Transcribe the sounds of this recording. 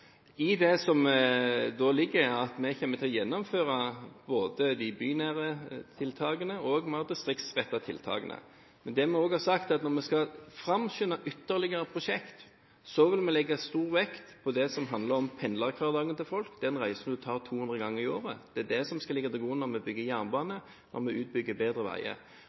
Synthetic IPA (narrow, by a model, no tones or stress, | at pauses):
ɪd̪ɛsɔm | d̪olɪɡːəɾɑt̪mɛçɛmːət̪ʰɪlɔjɛnːɔmføːʁɑboːd̪əd̪ɪbyːnæːʁət̪ʰɪlt̪ʰɑːɡənəɔːɡmɑd̪ɪst̪ʁɪk̚t̪sʋɛt̪ːɑt̪ʰɪ̰lt̪ʰɑ̰ːɡənə̰ | mɛnd̪ɛmɛoːɡhɑːɾsɑkt̪ɑt̪nɔʁmɛskɑlfɾɑmɕʏnɑʔʏt̪ːəʁlɪɡəɾəpʰʁʊʂɛkt̪ | sɔʋɪlmɛlɛɡːɑst̪uːʁʋɛkt̪pʰɔd̪ɛsɔmɦɑnd̪ləɾɔmpʰɛnlɑʁkʰʋɑːʁd̪ɑːɡənt̪ɪlfɔlkd̪ɛnʁæɪsn̩d̪ʉt̪ʰɑːʁt̪ʰuːhʉnd̪ʁəɡɑŋːəɾɪoːʁəd̪̥ɛæd̪ɛsɔmskɑlɪɡːɑt̪ɪɡuːnɔɾmɛbʏɡːəjæʁnbɑːnə | nʔɔ̰ɾmɛʉːt̪̚bʏɡːəbeːd̪ʁəʋæ̰ɪə̰